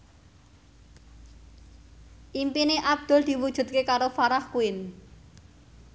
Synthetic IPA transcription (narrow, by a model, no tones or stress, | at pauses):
ʔimpineʔab̚d̪̥ʊ̤ld̪̥i̤wud̥ʒ̥ṳd̪̚kekaɾofaɾahkuɪn